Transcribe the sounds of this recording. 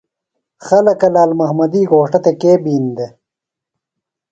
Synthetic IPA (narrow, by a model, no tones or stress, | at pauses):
xɐlɐkɐlaːlmɐhmɐd̪iːɡoːʂʈɐt̪ekeːbiːnd̪e